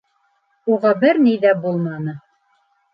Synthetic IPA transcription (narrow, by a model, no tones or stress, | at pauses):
uʁɑbɘɾnijðæbulˠmɑnɤ